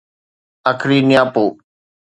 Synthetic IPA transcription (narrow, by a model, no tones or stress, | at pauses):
akʰɾiːnɪjãːpoː